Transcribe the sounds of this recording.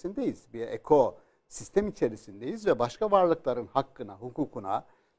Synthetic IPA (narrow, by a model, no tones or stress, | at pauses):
ind̪ejiz̥biɾḛkʰo̞ | sist̪ʰemit͡ʃʰe̞ɾisind̪ejizvɛbaʃkavaɾlˠɯklˠaɾɯnhakːɯnaɦukʰuːkʰuna̰